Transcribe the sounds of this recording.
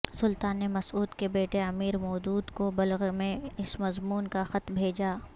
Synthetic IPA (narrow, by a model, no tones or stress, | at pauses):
sʊlt̪aːnːemɐsuːd̪kebeːʈeɐmiːɾmɔːd̪uːd̪kobɐlɣmẽɪsmɐzmuːnkaxɐt̪bʱeːd͡ʒaː